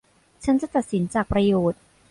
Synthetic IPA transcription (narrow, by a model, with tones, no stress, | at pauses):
t͡ɕʰa˦˥nt͡ɕa˨˩t̪a˨˩t̪̚si˩˦nt͡ɕaː˨˩k̚pɾa˧joː˨˩t̪̚